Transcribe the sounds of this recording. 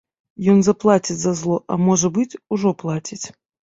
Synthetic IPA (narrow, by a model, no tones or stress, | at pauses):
jonzɐplˠatʲɪt̪zɐzlˠoʔɐ̰moʐəbɨtʲʊʐɔplˠatʲɪtʲ